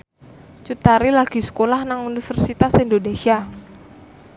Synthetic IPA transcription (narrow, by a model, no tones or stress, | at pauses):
t͡ʃut̪aɾilaɡ̥i̤sə̥kolahnaŋunifɛrsit̪asindonesia